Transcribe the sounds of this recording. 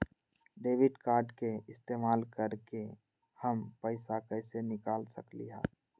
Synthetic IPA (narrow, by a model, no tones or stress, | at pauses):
ɖeːʋɪɖkaːɾɖkeɪst̪eːmaːlkəɾke | həmpəɪsakəɪsenɪkaːlsəklḭɦɛ̰̃ː